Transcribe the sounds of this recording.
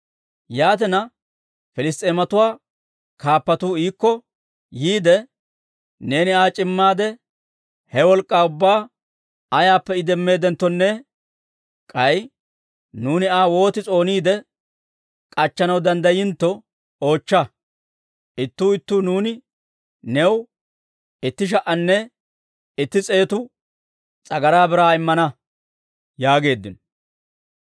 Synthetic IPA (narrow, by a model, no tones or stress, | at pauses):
jaːt̪̬ɛnɐ | fɛlɪst̪ʼeːmɐt̪ʊwaː | kaːpːɐt̪uːiːkːɔ | jiːd̪ɛ | ne̞ːnɪaːt͡ʃʼɪmːaːd̪ɛ | hɛwɔlkʼːaːʊbːaː | ɐjaːpːɛɪd̪ɛmːe̞ːd̪ɛnt̪ːɔnːɛ | kʼɐj | nuːnɪaːwo̞ːt̪ɪt͡sʼo̞ːniːd̪ɛ | kʼɐt͡ʃːɐnɐwd̪ɐnd̪ɐjɪnt̪ːɔ | o̞ːt͡ʃːɐ | ʔɪt̪ːuːɪt̪ːuːnuːnɪ | nɛw | ɪt̪ːɪʃ̬ɐʔɐnːɛ | ɪt̪ːɪt͡sʼe̞ːt̪ʊ | t͡sʼɐɡɐɾaːbɪɾaːɪmːɐnɐ | jaːɡe̞ːd̪ːɪnɔ